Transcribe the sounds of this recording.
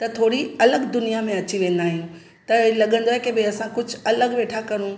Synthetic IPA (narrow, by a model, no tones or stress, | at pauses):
t̪ɐt̪ʰoːɽiɐləɠd̪ʊnijamẽɐt͡ɕiʋẽːnd̪aːɦijũ | t̪ɐlɐɠə̃nd̪oaɦekebɪɐsãkʊd͡ʑʱʊɐləɠʋeːʈʰakɐɾ̃ũ